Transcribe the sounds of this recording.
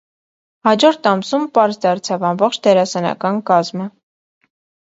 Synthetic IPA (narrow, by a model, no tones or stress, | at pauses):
hɑd͡ʒɔɾt̪ʰɑmsumpɑɾzd̪ɑɾt͡sʰɑvɑmbɔχt͡ʃʰd̪ɛɾɑsɛnɑ̰kɑnkɑzmə